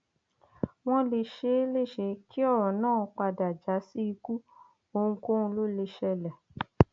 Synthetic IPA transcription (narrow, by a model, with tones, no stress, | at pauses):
w̃ɔ̃˦le˧ʃe˧˦le˦˨ʃe˧˦kʰi˦ɔ˦˨ɾ̃ɔ̃˨nãː˦˨˧k͡pa˧da˨d͡ʒa˨˦si˦i˧ku˦ | o˧ũ˧ko˦ũ˧lo˦le˧ʃɛ˧lɛ˨